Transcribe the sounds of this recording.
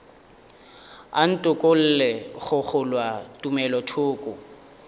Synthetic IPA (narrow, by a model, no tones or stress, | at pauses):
a̰n̩tʼʊkʼʊl̩lɛχʊχʊlwatʼumɛlɔtʰʊːkʼʊ